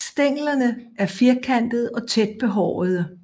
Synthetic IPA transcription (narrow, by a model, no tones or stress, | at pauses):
sd̥eŋ̰lɐnəʔæɐfeɐkʰæn̰d̥ð̞̩ˠɒ̽t͡sʰed̥̚b̥e̝ɦɒ̰ːð̞̩ˠ